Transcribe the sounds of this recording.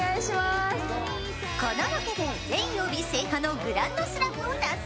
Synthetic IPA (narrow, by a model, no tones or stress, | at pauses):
aiɕimas | kanaɾakohõnɾẽĩobʲisekanoɡɯ̟ɾãnd̪osɨɾapɯõnd̪as